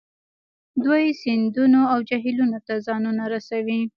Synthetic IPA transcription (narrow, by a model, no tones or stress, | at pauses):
d̪wajsɪnd̪unoawd͡ʒaɦilunot̪azɑnunaɾasawi